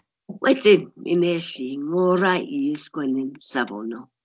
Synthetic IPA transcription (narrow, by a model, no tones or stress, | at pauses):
wetenḭneɬiŋʊɾaijeskʷenensavo̰nɔ